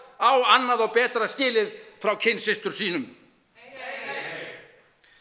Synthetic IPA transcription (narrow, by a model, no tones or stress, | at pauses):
awanːaðɔɣpɛːt̪ɾascɪːlɪðfɾawcʰɪnsɪst̪ʏɾ̥siːnʏm